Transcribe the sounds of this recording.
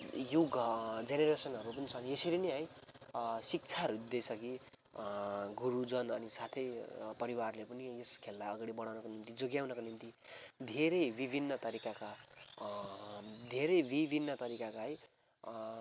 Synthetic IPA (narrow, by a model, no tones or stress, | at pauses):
juɡd͡zeneɾesʌnɦʌɾupʌnit͡sʰʌːniesiɾineɦʌj | sik̚t͡sʰaɾud̪esʰʌki | ɡuɾud͡zʌnʌnisat̪ʰʌjpʌɾiwarlepʌnieskʰelːajʌɡaɽ̃ibʌɽ̃awnʌkonimt̪id͡zoɡjawnʌkonimt̪id̪ʱeɾʌjbibʱinːʌt̪ʌɾikaka | d̪ʱeɾʌjbibʱinːʌt̪ʌɾikakaɦʌj